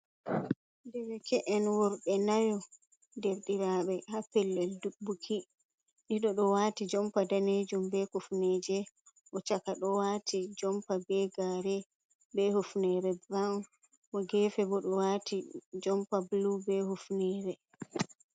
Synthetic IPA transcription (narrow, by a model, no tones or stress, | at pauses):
dɛwɛkʰɛʔɛnwɔɾɓɛnajɔ | deɾɗiɾaːɓɛhapɛlːɛldubːukʰi | ɗiɗɔɗɔwatid͡ʒɔmpadaned͡ʒumbɛkufnɛd͡ʒɛ | ʔɔt͡ʃakaɗɔwaːtʰid͡ʒɔmpabɛɡaɾɛ | bɛhufnɛɾɛbɾann | ʔɔɡɛfɛbɔɗɔwaːtid͡ʒɔmpablubɛhufnɛːɾɛ